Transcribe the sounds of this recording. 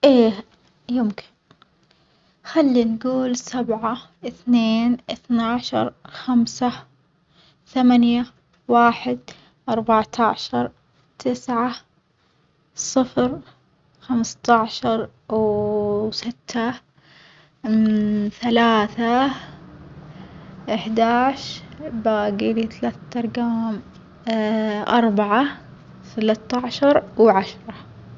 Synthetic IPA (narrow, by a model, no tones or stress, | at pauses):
ʔeː | jʊmkʰɪ̥n | xalːinɡuːlsabʕa | ʔɪθneːnʔɪθnaʕʃɑ̰ɾˤxamsa | θamanja | waːħɪd̪ | ʔɑɾˤbaʕt̪ʰaʕʃɑɾˤ | t̪ʰɪsʕa | sˤɨfɾ | xamst̪aʕʃɑɾˤ | wsɪt̪ʰːa | θalaːθa | ʔɪħd̪aːʕʃbaɡilit̪alaːθat̪ɑɾˤɡaːm | ʔɑ̰ɾˤbaʕa | θalat̪ːaʕʃɑɾˤwʕaʃɾˤɑ